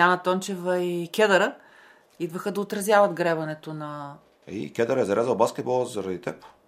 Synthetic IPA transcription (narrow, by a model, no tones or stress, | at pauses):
janət̪ɔnt͡ʃɛvɐikʲɛd̪ɐɾə | id̪vəxəd̪ɐot̪ɾɐzjavɐd̪ɡɾɛvɐnɛt̪onɐ | ḭkʲɛd̪əɾəɛzɐɾazəlˠbaskʲɛd̪̚bɔlˠəzɐɾɐd̪it̪ɛp